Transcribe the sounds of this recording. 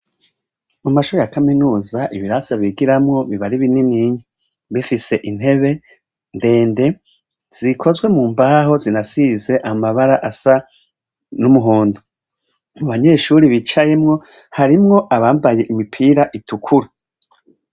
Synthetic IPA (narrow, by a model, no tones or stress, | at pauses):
mumaʃuɾejakaminuːzaʔiβiɾasaβiɡiɾamŋo̞βiβaɾiβininiɲi | βifise̞ʔin̥he̞βe̞ | nde̞ːnde̞ | z̥ikʰo̞zwe̞muːmbaːɦo̞zinasize̞ʔamaβaɾaʔasa | numuɦuːndo | muβaɲe̞ːʃuɾiβit͡ʃajemŋo̞ | haɾimŋo̞ʔaβaːmbaje̞ʔimipʰiːɾaʔitukʰuɾa